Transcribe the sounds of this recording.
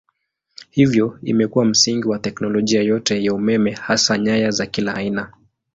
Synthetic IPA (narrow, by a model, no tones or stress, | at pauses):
hivjɔḭmɛkuwam̩siŋɡiwatɛknɔlɔʄiajɔtɛjaumɛmɛhasaɲajazakilaːina